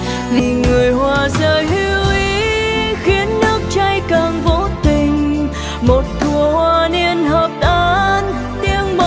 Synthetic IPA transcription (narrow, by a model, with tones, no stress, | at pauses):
zi˧˩ŋɨ˨˩əjhwaː˨˩zəː˧˨˩jɦi˧wʔi˨˧˦xi˨˦ənːɨ˦˥ək̚t͡ɕa˧jkaː˨˩ŋvo˨˦t̪ï˨˩ŋ̟ | mo˨˩t̚t̪ʰu˨˩əhwaː˧˩ni˧ənɦəː˨˩p̚ʔaː˧n | t̪i˧əŋm˧